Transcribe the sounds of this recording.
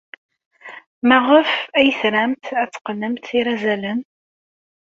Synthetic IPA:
mæʁəfæjəθɾæmt̪æt͡sːqnəmt̪iɾæzælən

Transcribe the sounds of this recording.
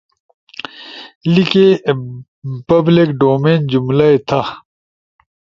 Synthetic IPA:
like | pɐblikɖoːmeːnd͡ʑumlaet̪ʰa

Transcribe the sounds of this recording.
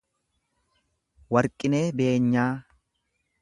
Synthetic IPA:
wɐɾkʼɪne̞ːbe̞ːɲːaː

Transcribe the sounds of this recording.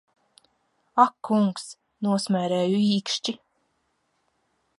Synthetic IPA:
akːuŋks | nuɔsmʲæːɾæːjuiːkʃt͡ʃi

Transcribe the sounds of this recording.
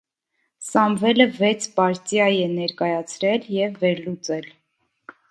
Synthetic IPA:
sɑmvɛləvɛt͡sʰpɑɾt͡sjɑjɛnɛɾkɑjɑt͡sʰɾɛljɛvːɛɾlut͡sɛl

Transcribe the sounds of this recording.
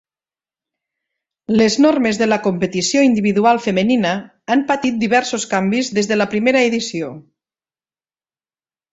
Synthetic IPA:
leznoɾmezðələkompet̪isioind̪iβiðualˠfəmeninə | ampat̪it̪̚d̪iβɛɾsoskambizðezðələpɾimeɾəeðisio

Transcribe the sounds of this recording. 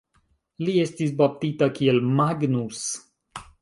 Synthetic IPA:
liest̪is̬bap̚t̪it̪akielmaɡnus

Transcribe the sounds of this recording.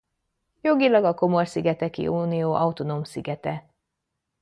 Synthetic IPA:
jo̞ɡilɒɡɒko̞mo̞rsiɡɛt̪ɛkḭʔuːnijoːʔɒut̪onoːmsiɡɛt̪ɛ

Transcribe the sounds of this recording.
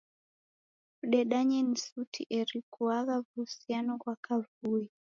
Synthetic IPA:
kuɗɛɗaɲɛnisutʰḭʔɛɾikuaɣavuhusianɔkwakavui

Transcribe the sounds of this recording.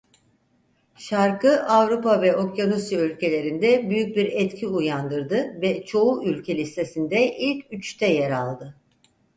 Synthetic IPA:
ʃaɾkɯʔavɾupavɛʔo̞kjanusjaylʲcʰe̞lʲe̞ɾind̪ɛbyjyc̚biɾɛt̪cʰiujand̪ɯɾd̪ɯvɛt͡ʃʰo̞uʔylʲcʰelʲist̪ʰe̞sind̪ɛʔilʲcyt͡ʃt̪ʰɛjeɾalˠd̪ɯ

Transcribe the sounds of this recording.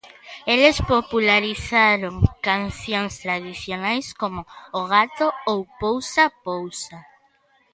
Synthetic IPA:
elespopulaɾiθaɾoŋkanθjoŋst̪ɾað̞iθjonajskomʊːɣat̪oowpowsapowsa

